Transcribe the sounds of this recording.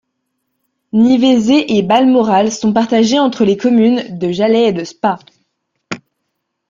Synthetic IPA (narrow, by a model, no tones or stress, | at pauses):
nivezeʔebalmɔʁalsɔ̃paʁt̪aʒeɑ̃t̪χəlekɔmynd̪əʒalɛed̪əspa